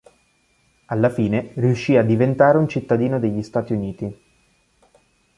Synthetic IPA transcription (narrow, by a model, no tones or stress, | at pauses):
alːafiːneriuʃːiːad̪ːivent̪aːɾeunt͡ʃit̪ːad̪iːnod̪eʎːist̪aːt̪iuniːt̪i